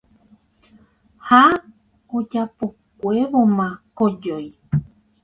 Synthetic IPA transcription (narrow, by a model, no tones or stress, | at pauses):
ha | od͡ʒapo | kʷe̞ʋomãkod͡ʒoj